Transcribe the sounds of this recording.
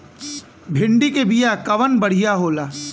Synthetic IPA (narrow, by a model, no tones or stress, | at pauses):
bʱɪɳɖikebijakɐʋənbɐɽ̤ijaɦoːlaː